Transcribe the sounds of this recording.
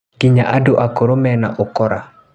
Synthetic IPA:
ɡ̥iɲaʔadoʔakoɾomɛnaʔokɔɾa

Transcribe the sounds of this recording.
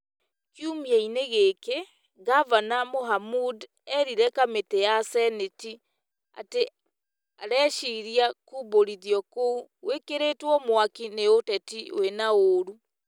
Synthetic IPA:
kjumiɛineɣeke | ɡavanamoɦamud | ɛɾiɾɛkametejasɛneti | a̰te | aɾɛʃiɾiakuboɾiðjɔkowekeɾeːtwɔmwakineotɛtiw̰enaoɾu

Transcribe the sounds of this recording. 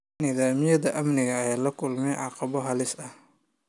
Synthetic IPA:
niːðaːmɪjɐðɐʔɐmnɪɣɐːjaːlɐkʰʊlmɛjʕɑqɑβɔɦɐlɪsɐh

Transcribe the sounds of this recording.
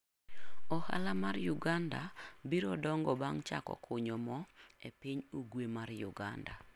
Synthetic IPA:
ɔha̰lamarjʊɡandabiɾɔdɔŋɡɔbaŋt͡ʃa̰kɔ̰kʰʊɲɔmɔepiɲoɡwemarjʊ̰ɡanda

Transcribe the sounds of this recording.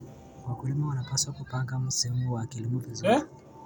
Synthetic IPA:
wakulimawanapaswakupaŋɡamusɛɛmuwakilimuvizui

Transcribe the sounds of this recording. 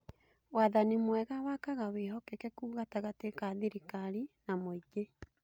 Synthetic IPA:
waðanimwɛɣawakaɣaweɦɔkɛkɛkuːɣataɣatekaðiɾikaɾinamoiɡe

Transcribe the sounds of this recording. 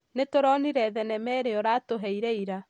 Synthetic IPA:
netoɾɔniɾɛðɛnɛmɛɾeɔɾatoɦɛiɾɛiɾa

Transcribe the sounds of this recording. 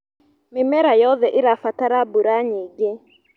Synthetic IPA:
mɪmɛɾajɔðɛʔɪɾafataɾabuɾaɲeɡe

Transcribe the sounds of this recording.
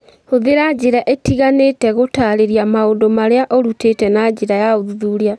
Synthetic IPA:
hoðeɾad͡ʒeɾaʔetiɣanetɛɣotaɾeɾjamaondomaɾeaʔɔɾutetɛnad͡ʒeɾajaoðuðuɾea

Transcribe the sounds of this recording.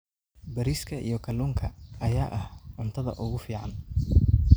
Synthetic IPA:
bɐɾiskʰɐʔḭjɞkʰɐluːŋkʰɐːjaːʔɐhʕʊnt̪ʰɐðɐ̰ʔʊɣʊfiːʕɑn

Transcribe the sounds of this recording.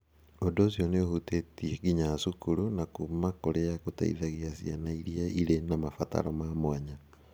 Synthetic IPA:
odosjoneohutetieɡiɲasukuɾunakumakoɾeakota̰ḭðaɣiasianaiɾiaiɾenamafa̰ta̰ɾomamwaɲa

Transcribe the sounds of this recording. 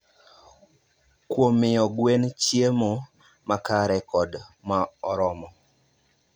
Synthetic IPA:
kwomɪɔɡwent͡ʃjemo | makaɾɛkɔdmaɔɾɔmɔ

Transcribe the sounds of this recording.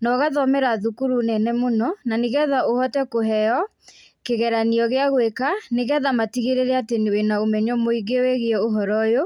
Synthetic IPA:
nɔɣaðɔmɛɾaðukuɾunɛnɛmonɔnaneɣɛðaohɔtɛkoɦɛɔ | keɣɛɾaniɔɣeaɣwekaneɣɛðamatiɣeɾeɾɛatenwenaomɛɲɔmoiɡeweɣeɛoɦɔɾɔjo

